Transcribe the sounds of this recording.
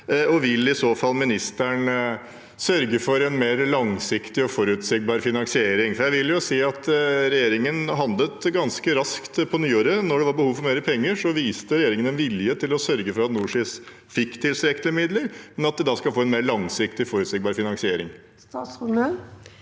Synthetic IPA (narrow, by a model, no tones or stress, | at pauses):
ɔʋɪlːɪsoːfɑlːmɪnɪst̪æɳ | sœɾɡəfɔɾɛnmeːɾlɑŋsɪkt̪ɪɔfɔɾʉt̪sɛɡ̚bɑːɾfɪnɑnsɪeːɾɪŋfɔɾjæɪʋɪljʊseːɑt̪ɾɛjeːɾɪŋənɦɑnd̪lət̪ɡɑnskəɾɑskt̪pʰɔnyːoːɾənɔɖɛʋɑɾbəhuːʋfɔɾmeːɾəpʰɛŋːəʂɔʋiːst̪əɾɛjeːɾɪŋənɛnʋɪljət̪ʰɪlɔsœɾɡəfɔɾɑt̪nuːʂɪs | fɪkːt̪ʰɪlsɾɛkt̪əɾmɪd̪ləɾmɛnɑt̪̚d̪ɛd̪ɑːskɑlfoːɛnmeːɾlɑŋsɪkt̪ɪfɔɾʉt̪seːɡ̚bɑːɾfɪnɑnsɪeːɾɪŋ | st̪ɑsə